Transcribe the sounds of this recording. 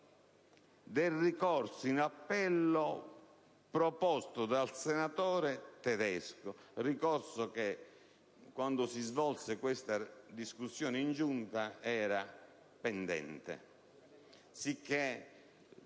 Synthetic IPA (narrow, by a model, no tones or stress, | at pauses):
d̪erikɔrsoinapːɛlːo | pɾɔpɔst̪od̪alsɛnat̪ɔːɾɛt̪ɛd̪ɛskʊrikɔrsoke | kːwand̪osizvɔlsekwest̪ad̪iskusːjɔːneind͡ʒunt̪aɛːɾa | pɛnd̪ɛ̰nt̪ḛ | sikʰːe